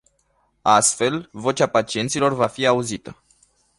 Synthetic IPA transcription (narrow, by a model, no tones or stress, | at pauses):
ast̪fe̞lvo̞t͡ʃapat͡ʃie̞nt̪silo̞rvafiauzit̪ə